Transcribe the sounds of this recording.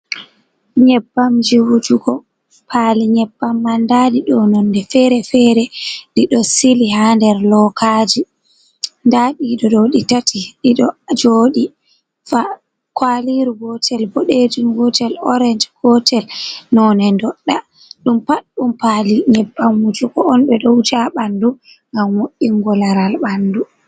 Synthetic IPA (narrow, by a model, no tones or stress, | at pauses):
ɲɛbːamd͡ʒiwud͡ʒuɡɔ | pʰaːliɲɛbːamːandadiɗɔnɔndɛfɛɾɛfɛːɾɛɗiɗɔsilihandɛɾlɔkʰaːd͡ʒi | ndaɗiɗɔɗɔɗitatiɗiɗɔd͡ʒoːɗi | fa | kwaliɾuɡɔtʰɛlboɗed͡ʒiŋɡɔtɛlɔɾɛnd͡ʒɡ̥ɔtʰɛlnɔnɛndɔɗːa | ɗumpaɗɗumpaːliɲɛbːamwud͡ʒukɔɔnɓɛɗɔud͡ʒaɓandu | ŋɡamːoʔːiŋɡɔlaɾalɓandu